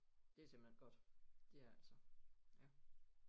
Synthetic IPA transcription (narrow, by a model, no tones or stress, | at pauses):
d̥e̝æsemb̥l̩henɡ̥ɒ̽d̥d̥e̝ææl̰sɒjæ